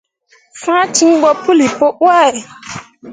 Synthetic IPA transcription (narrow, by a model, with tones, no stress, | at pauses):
fã˦tĩ˦ŋ˦bɔ˦pu˦li˨po˦ʔwa˦˨ɛ˨